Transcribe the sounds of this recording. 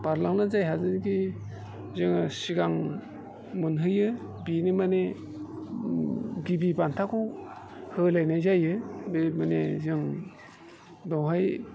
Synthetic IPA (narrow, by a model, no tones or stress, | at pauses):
b̥aɾlaŋnazajɦazɯnɡi | zɯŋsiɡaŋ | mɯnɦɯjɯ | binimane | ɡibibantʰaku | hɯlajnajzajɯbmanezɯŋ | dɔwɦaj